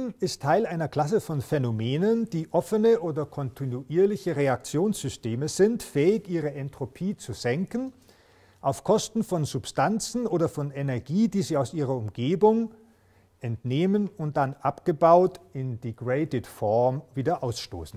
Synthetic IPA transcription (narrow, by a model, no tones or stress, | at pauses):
nɪstʰːaɪlʔaɪnɐkl̥as̬əfɔnfɛnomeːnənd̥iːʔɔfənəʔoːdɐkʰɔntʰɪnuʔiːɐlɪçəʁeak̚t͡sjoːnsz̥ʏsteːməz̥ɪntfɛːɪçiːʁ̞əʔɛntʁ̥opʰiːt͡suz̥ɛŋkn̩ | ʔaʊfkʰɔstn̩fɔnzʊpstʰant͡sn̩oːdɐfɔnenɛɐɡiːdiːziːaʊsʔiːʁ̞ɐʊmɡ̥eːbʊŋ | ʔɛntneːmənʊnt̚d̥anʔapɡ̥əbaʊtɪndiɡʁeɪtətfɔɐmviːdɐʔaʊsʃto̰ːsn̩